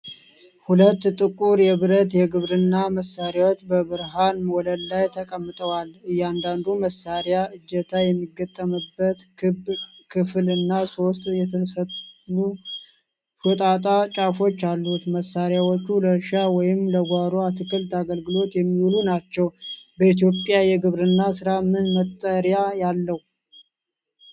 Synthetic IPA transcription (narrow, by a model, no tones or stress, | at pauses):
hulət̪ːt̪ʼɨkʼuɾjɛβɨɾət̪jɛɡɨβɾɨnːaməsːaɾjawot͡ʃːbəβɨɾɦanmoləllajt̪ʰəkʼəmːɨt̪ʼəwalɨjːand̪and̪uməsːaɾjaɨd͡ʒːət̪ʰajɛmːiɡːət̪ʼːəmɨbːət̪ɨbkʰɨflɨnːaso̞st̪ʼjɛt̪ʰəsət̪u | fɨt̪ʼat̪ʼat͡ʃʼafo̞t͡ʃːalːut̪məsːaɾjawot͡ʃːuləɾʃawɔjɪmləɡʷaɾoat̪ʰɨkʰɨlt̪aɡəlɡɨlo̞t̪jɛmːiwulunat͡ʃːɛwbəit̪̬jo̞pʼjajɛɡɨβɾɨnːasɨɾamɨnmət̪ʼːəɾjajalːəhw